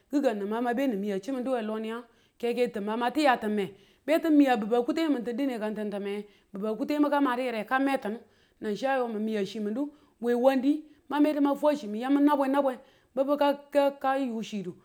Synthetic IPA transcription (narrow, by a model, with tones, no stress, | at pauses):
ɡi˦ɡa˨nːɨ˨ma˦ma˦be˦ni˨mi˨ja˨t͡ʃi˦mi˨ndu˦we˨lo˦ni˦ja˦ | ke˦ke˦tɨ˨ma˨ma˦ti˦ja˨tɨ˨mːe˨ | be˦ti˦mi˦ja˨bə˨ba˨ku˦te˦mə˨nti˨ndi˦ne˨ka˨nti˨ntə˨me˨˦ | bə˨ba˨ku˦te˦ma˦ka˦ma˨ti˦jɾe˨ka˦me˦tə˨nu˦ | na˨n˨ʃa˦jo˨mi˨mi˨ja˨ʃi˨mi˨du˦ | we˨wa˦ndi˦ | ma˦me˦ti˦ma˦fʷa˦ʃi˨mi˨ja˦mi˦na˦bʷe˦na˦bʷe˦ | bə˦bə˦ka˦ka˦ka˦ju˨ʃi˨du˨